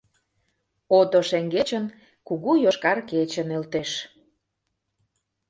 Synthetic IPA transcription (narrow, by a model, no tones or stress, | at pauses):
ot̪oʃeŋɡet͡ɕən | kuɣujoʃkɑrket͡ɕənelt̪eʃ